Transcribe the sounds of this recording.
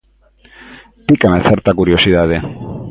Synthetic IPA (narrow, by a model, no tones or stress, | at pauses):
t̪ikameθeɾt̪akuɾiosiðað̞e